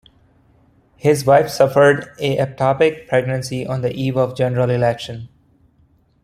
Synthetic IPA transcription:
hɪzʋaɪfsʌfəɾɖeʔɛp̚ʈʰɔːpɪk̚pʰɾɛɡnə̃nsiʔɔ̃nd̪əʔiːʋɔʋd͡ʒɛ̃nəɾəlɪlɛkʃə̃n

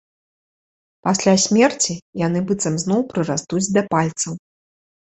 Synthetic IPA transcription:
pasʲlʲasʲmʲɛrt͡sʲijanɨbɨt̪sɐmznɔwpɾɨɾast̪ud͡zʲd̪ɐpalʲt̪sɐw

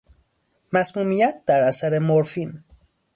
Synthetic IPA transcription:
mæsmuːmijæt̪̚d̪æɾæsæɾe̞moɾfin

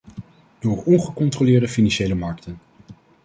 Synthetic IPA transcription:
d̥ʊːɹɔnχəkɔntrolɪːɹdəfinɑnʃejləmɑɹk̚tən

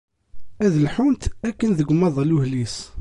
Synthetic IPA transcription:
æðəlħunt̪ækːənðəɡʷmːɑðˤluhlis

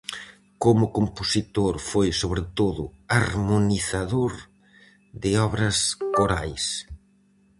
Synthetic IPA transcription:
komʊkomposit̪oɾfojsoβɾɪt̪oðʊaɾmoniθaðoɾ | d̪ɪɔβɾɐskoɾajs

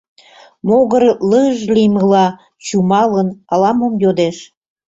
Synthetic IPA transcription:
moɣəɾləʒliməlɑ | t͡ɕumɑlənɑlɑmomjod̪eʃ

